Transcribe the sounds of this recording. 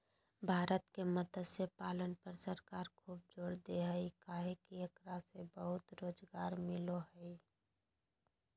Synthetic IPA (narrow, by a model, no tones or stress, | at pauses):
bʱaːɾət̪kemət̪əd̪sepaːlənpəɾsəɾkaːɾkʰuːb̚d͡ʒoːɽd̪eɦəikaːɦekiɐkɾasebəɦʊt̪ɾoːd͡ʒɡaːɾmɪloɦəi